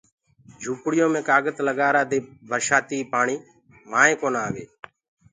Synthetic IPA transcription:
d͡ʒʱuːpɽɪjõːmẽːkaːɡət̪ləɠaːɾaːd̪eːbʱəɾʃaːt̪iːpaːɳiː | maːẽːkoːnaːʋḛː

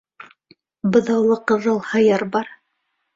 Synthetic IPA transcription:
bɤ̆ðɑwlˠɤqɤ̆ðɤlˠhɑjɑɾbɑɾ

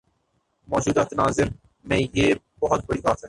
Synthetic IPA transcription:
mɔːd͡ʒuːd̪at̪naːzɪɾ | mẽːjeː | bɐɦʊt̪̚bɐɽiːɡaːt̪ɦɛ̃ː

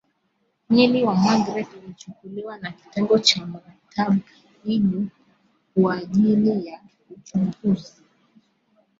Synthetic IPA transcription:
miliwamaɡɾɛtulit͡ʃukuliwanaki̥tɛŋɡɔt͡ʃamaɾatʰaɓa | hiʄi | kuaʄilija | ut͡ʃuŋɡuzi

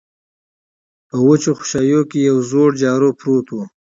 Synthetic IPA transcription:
pəwʊt͡ʃoxʊ̥ʃɑjokejawzoɽd͡ʒɑːɾopɾot̪wu

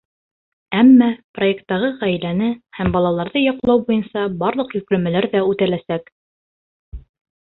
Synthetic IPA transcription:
æmːæpro̞je̞kt̪ːɑʁɤʁæjlænɘhæmbɑlˠɑlˠɑɾðɤjɑqlˠɑwbujɤnsɑbɑɾlˠɤ̆qjɵ̆klɵ̆mælæɾðæʉt̪ælæsæk

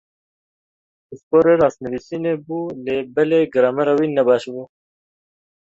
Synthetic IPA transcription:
ɪspoːɾeɾɑːsnɨwiːsiːneːbuːleːbɛleːɡɨɾɑːmɛɾawiːnɛbɑːʃbuː

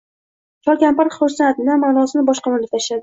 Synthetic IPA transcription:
t͡ʃʰɒlˠkʲʰampaɾχʊɾsat̪namaːnɒsɪnɪbɒʃqɑmaɾlʲɪt̪ʰaʃlad̪ɪ

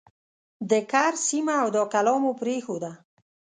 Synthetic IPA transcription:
d̪əkaɾsimaːwd̪ɔkalɔmopɾexod̪a

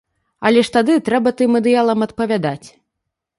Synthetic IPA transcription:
ɐlʲɛʂt̪ad̪ɨt̪ɾɛbɐt̪ɨmɐd̪ɨjalˠɐmɐt̪̚pɐvʲad̪at͡sʲ

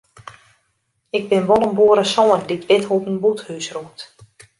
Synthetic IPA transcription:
ɪɡ̚bɪnʋɔlˠəmbuəɾəsɔːnditʋɪthupənbuthysruət

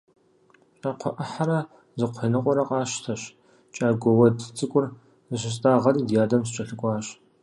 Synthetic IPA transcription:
ɕʼaqʷʰɔʔɐħaɾɐ | zɨqʷʰenɨqʷʼɔɾɐqʼɑːɕtʰɐɕ | t͡ʃʼaːɡʷɔwɐdt͡sʼɨkʷʼʊr | zɨʃ̬ɪɕ̬tʼaːʁɐriːdjaːdɐmt͡ʃʼɐɬɨkʷʼɑːɕ

